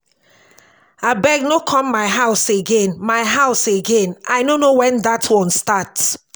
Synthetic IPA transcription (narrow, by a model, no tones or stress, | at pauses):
abɛɡ̚nokʰɔ̃mːaɪɦaʊseɡẽnmaɪɦaʊseɡẽnaɪnonowɛ̃ndatʰwɔ̃nstats